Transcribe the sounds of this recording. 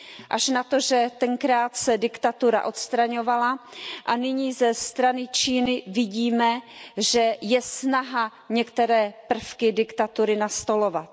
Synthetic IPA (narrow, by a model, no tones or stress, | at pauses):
ʔaʃnat̪o̞ʒɛt̪ɛŋkɾaːt̪sɛdɪkt̪at̪uɾa̰ʔo̞t̪st̪ɾaɲo̞valaʔanɪɲiːzɛst̪ɾanɪt͡ʃiːnɪvɪɟiːmɛʒɛjɛsnaɦa | ɲɛkt̪ɛɾɛːpr̩fkɪdɪkt̪at̪uɾɪnast̪o̞lo̞vat̪̚